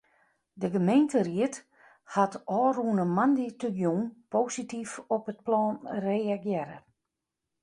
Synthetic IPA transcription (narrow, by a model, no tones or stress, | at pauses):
dəɡəmejntəriət | hatɔːrunəmanditəɡjunpoːsitifɔpət̚plɔːnreːaɡjɛɾə̰